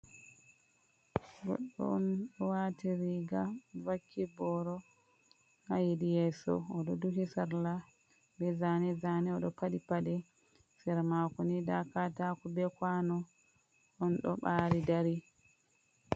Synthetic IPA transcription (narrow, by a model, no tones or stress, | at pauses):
ɡɔ̰ɗːɔ̰ːnɗɔwatiɾiɡavakʰːibɔɾɔ | hajidijɛːsɔ̰ɔɗɔduɦisaɾla | bɛzanɛzanɛɔɗɔpaɗipaɗɛ | sɛɾmakɔnidakatakubɛkwanɔ | ʔɔnɗɔ̰ɓaːɾidaɾi